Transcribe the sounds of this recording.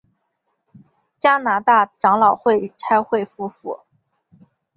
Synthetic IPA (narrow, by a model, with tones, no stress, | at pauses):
t͡ɕja˥na˧˥t̪a˥˩ʈ͡ʂɑ˧˥ŋlɑ˨˩ʊxwe˥˩ɪʈ͡ʂʰa˥ɪxwe˥˩ɪfu˥fu˥˩˦